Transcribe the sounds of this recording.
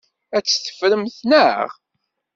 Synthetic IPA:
æt͡sːθə̥fɾəmθnəʁ

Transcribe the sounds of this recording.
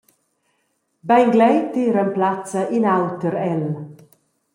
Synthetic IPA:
bajŋɡlɛjt̪iːɾəmplat͡səʔinawt̪əɾɛl

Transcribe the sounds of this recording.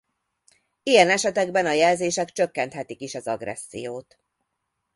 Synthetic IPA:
ijɛnɛʃɛt̪ɛɡbɛnɒjɛlzeːʃɛkt͡ʃø̞kːɛnt̪hɛt̪ikiʃɒzɒɡrɛ̰sːḭjoːt̪

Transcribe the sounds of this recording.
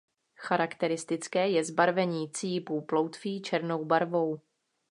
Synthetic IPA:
xaɾakt̪ɛɾɪst̪ɪt͡skɛːjɛzbaɾvɛɲiːt͡sɪjɪpuplowt̪fiːt͡ʃɛɾno̞wbaɾvo̞w

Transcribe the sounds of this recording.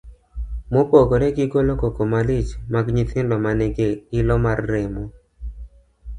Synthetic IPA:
mopokoɾɛɡɪkolokokomalɪt͡ʃmaɡɲit̪ɪndɔmanɛɡeɪlɔmarːɛmo

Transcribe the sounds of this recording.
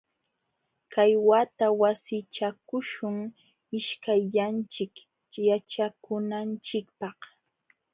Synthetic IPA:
kajwat̪awasɪt͡ʃakʊʃʊŋ | ɪʃkajʎant͡ʃɪk | jat͡ʃakʊnant͡ʃɪkpɑh

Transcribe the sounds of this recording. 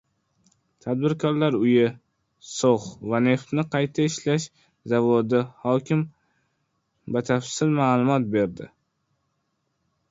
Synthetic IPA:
t̪ʰad̪̚bɪɾkʰɒɾlaɾʊjɪ | soχvane̞ft̪nɪqʰɑjt̪ʰaɪʃlaʃ | zavod̪ɪhɒkʲʰɪm | bat̪ʰafsɪlmaːlˠʊmɒt̪̚be̞ɾd̪ɪ

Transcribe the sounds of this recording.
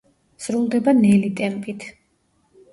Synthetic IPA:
z̥ɾulˠd̪ɛbanɛlit̪ʼɛmpʼit̪ʰ

